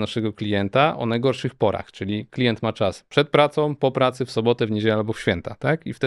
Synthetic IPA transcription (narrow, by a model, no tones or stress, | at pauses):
naʂɛɡɔklʲijɛnt̪aʔɔ̰najɡɔɾʂɘxpɔɾa̰xt͡ʂɘlʲiklʲijɛnt̪mat͡ʂaspʂɛt̪̚pɾat̪sɔ̃w̃pɔpɾat̪sɘfsɔbɔt̪ɛvɲed͡ʑelɛalbɔfɕfʲjɛnt̪at̪akift̪ɛ